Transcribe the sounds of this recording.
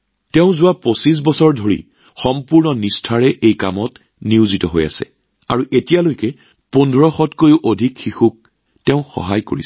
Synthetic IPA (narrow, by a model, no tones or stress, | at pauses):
tɛʊ̃zʊwaposis̬bɔsɔɹdʱoɹḭ | xɔmpuɹnɔnistʰaɹɛʔejkamɔt | niʊzitɔɦoja̰sɛ̰ | aɹuʔetijalojkɛ | pɔndʱɔɹɔxɔtkojʊʔodʱikxixuk̚ | tɛʊ̃xɔ̰ɦajko̰ɹḭs